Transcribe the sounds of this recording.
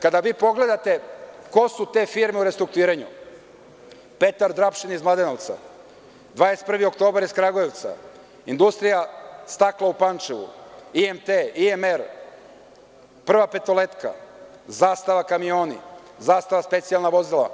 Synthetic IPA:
kad̪aʋiːpo̞ɡle̞d̪at̪e̞ko̞sut̪e̞ːfiɾmeuɾest̪ɾuk̚t̪uiːɾeɲṵ | pe̞t̪aɾd̪ɾapʃinizmlad̪enoʋt̪sa̰ | d̪ʋaːest̪̚pr̩ʋio̞k̚t̪o̞ːbaɾiskɾaɡoje̞ʋt̪sa̰ | ind̪ust̪ɾijast̪aklˠaupant͡ʃeʋṵiemt̪eiemeɾ | pr̩ʋape̞t̪o̞le̞t̪ka̰ | zaːst̪aʋakamio̞ːnḭ | zaːst̪aʋaspe̞t̪sijalˠnaʋo̞zilˠa̰

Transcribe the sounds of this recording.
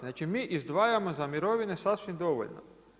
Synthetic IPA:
zat͡ʃɪmɪʔizd̪ʋɑjamɔzɐmʲiɾɔʋʲɪnɛsawsʲimd̪ɔʋɔ̰lʲnɔ̰

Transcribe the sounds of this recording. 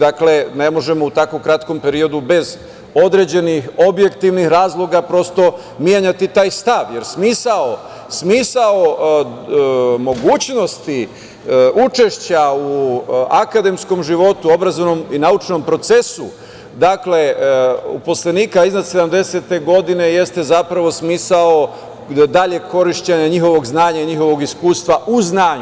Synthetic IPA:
d̪akle̞ne̞mo̞ʒe̞mo̞ut̪akokɾat̪ko̞mpe̞ɾio̞d̪ube̞z | o̞d̪ɾe̞d͡ʑe̞nixo̞bje̞kt̪iʋnixɾaːzlˠo̞ɡapɾo̞st̪o̞ | mijeɲat̪it̪aːjst̪aʋje̞ɾsmiːsao | smiːsao | mo̞ɡuːt͡ɕno̞st̪i | ut͡ʃe̞ʃt͡ɕauakad̪e̞msko̞mʒiʋo̞t̪uo̞bɾazonominaut͡ʃno̞mpɾo̞t̪se̞su | d̪akle̞ṵpo̞sleniːkaiznad̪se̞d̪amd̪e̞se̞t̪e̞ɡo̞d̪ine̞je̞st̪e̞zapɾaʋo̞smiːsao̞ | d̪aʎe̞kʰo̞ɾiʃt͡ɕeɲaɲixo̞ʋo̞ɡznaːɲaiɲixo̞ʋo̞ɡiskuːst̪ʋaʔuznaːɲ

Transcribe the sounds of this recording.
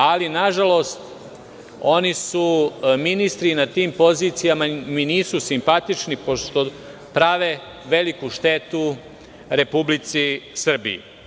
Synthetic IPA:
alinaʒalo̞st̪ | o̞nisuminist̪ɾinat̪iːmpo̞ziːt̪sijamaminiːsusimpat̪it͡ʃnipo̞ʃt̪o̞ | pɾaʋe | ʋe̞likuʃt̪e̞t̪u | ɾe̞publit̪sisr̩bḭḭ

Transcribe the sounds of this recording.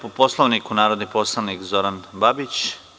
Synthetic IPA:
poposlˠoʋnikunaːɾod̪nipo̞slˠaʋnikzo̞ɾanbabit͡ɕ

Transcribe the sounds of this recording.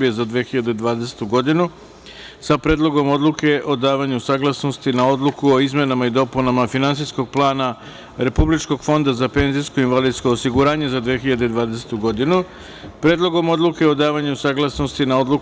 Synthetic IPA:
bijezad̪ʋeːxiʎad̪ed̪ʋaːd̪ese̥t̪uɡo̞d̪inu | sapɾeːd̪lˠo̞ɡo̞mo̞d̪lˠuke̞ʔo̞d̪aːʋaɲusaːɡlˠasno̞st̪inao̞d̪lukuo̞izme̞namaid̪o̞punamafinant̪sijsko̞ɡ̚plˠaːna | ɾe̞publit͡ʃko̞ɡ̥fo̞nd̪azape̞nzijskoinʋalid̪sko̞osiɡuɾaːɲe̞zad̪ʋeːxiʎad̪ed̪ʋaːd̪e̞se̥t̪uɡo̞d̪inu | pɾeːd̪lo̞ɡo̞mo̞d̪luke̞o̞d̪aːʋaɲusaːɡlˠasno̞st̪inao̞d̪lu

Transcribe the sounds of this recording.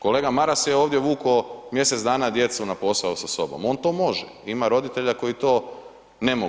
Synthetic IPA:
ko̞leːɡamaɾaseoːʋd̪jeʋuːkomje̞set̪zd̪aːnad̪je̞t̪sunapo̞saosaso̞̰bo̞̰mo̞ːnt̪o̞ːmo̞ʒḛimaɾo̞d̪it̪e̞ʎako̞jit̪o̞ː | ne̞mo

